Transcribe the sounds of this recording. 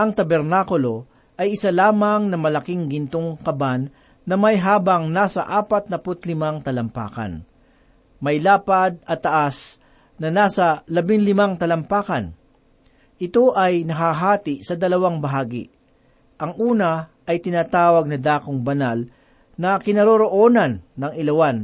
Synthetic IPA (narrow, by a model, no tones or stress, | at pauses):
ʔɐŋt̪ɐbɛɾnaːkʊlo̞ | ʔɐjʔɪsalaːmɐŋnɐmɐlɐkɪŋɡɪnt̪oŋkɐbanː | ɐmɐjɦaːbɐŋnaːsɐ̰ʔaːpɐt̪̚nɐpʊt̪lɪmaŋt̪ɐlɐmpa̰ːkɐ̰n | mɐjlaːpɐd̪̚ɐt̪ːɐʔas | nɐnaːsɐlɐbɪŋlɪmaŋt̪ɐlɐmpaːkɐn | ʔɪt̪o̞ʔɐjnɐɦaɦaːt̪ɪʔsɐd̪ɐlɐwaŋbɐɦaːɡɪ̰ | ʔɐŋʔuːnɐʔɐjt̪ɪnaːt̪aːwɐɡ̚nɐd̪aːkoŋbɐnal | nɐkɪnɐɾoɾoʔoːnɐnːɐŋɪlɐwan